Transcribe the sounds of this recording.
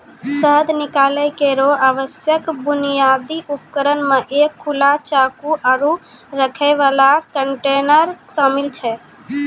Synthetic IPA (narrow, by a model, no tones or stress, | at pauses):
səɦəd̪nikaləjkeɾoaʋəsjəkbunijad̪iʔupkəɾənmeʔekʰːulat͡ʃakuʔaɾu | ɾəkʰəɪʋalakəɳʈenəɾsamilt͡ʃʰɛ